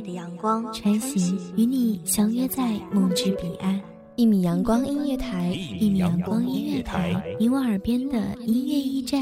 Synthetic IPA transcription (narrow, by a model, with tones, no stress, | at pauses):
kwɑ˥ŋʈ͡ʂʰa˧˥nɕi˧˥ŋy˧˥ni˨˩ɕjɑ˧˥ŋɥɛ˥t͡sa˥˩ɪmu˨˩ʈ͡ʂɻ̩˧˥pi˨˩ʔa˥n | i˥˩mi˨˩jɑ˧˥ŋkwɑ˥ŋi˥nɥɛ˥˩t̪ʰa˧˥˦ɪi˥˩mi˨˩jɑ˧˥ŋkwɑ˥ŋi˥nɥɛ˥˩t̪ʰa˧˥ɪi˧˥wa˧˥ə˞˨˩pjɛ˥nd̪ə̰˨i˥nɥɛ˥˧i˥˧ʈ͡ʂa˥˩